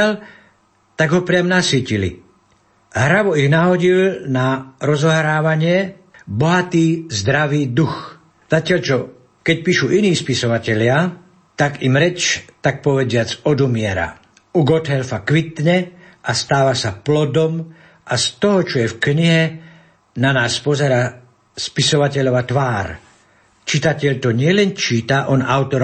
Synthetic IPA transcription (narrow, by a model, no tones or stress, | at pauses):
al | t̪aɡɦɔpɾɪamnasicilḭ | ɦɾaʋɔiɣnaɦɔɟilnaɾɔzɔɦɾaːʋaɲɪɛ | bɔɦat̪iːzd̪ɾaʋiːd̪ux | z̥acɪaʎt͡ʃɔ | kɛc̚piːʃuʔiniːspisɔʋacɛʎɪa | t̪aɡimɾɛt͡ʃt̪ak̚pɔʋɛd͡zɪat͡sɔd̪umɪɛɾa̰ | uɡɔt̪ɦɛlfakʋit̪ɲɛʔast̪aːʋasaplɔd̪ɔm | ʔast̪ɔɦɔt͡ʃɔjɛfkɲiɦɛ | nanaːspɔzɛɾaː | spisɔʋacɛʎɔʋat̪ʋaːɾ | t͡ʃit̪acɛʎt̪ɔɲɪɛlɛnt͡ʃiːt̪aʔɔnawt̪ɔɾ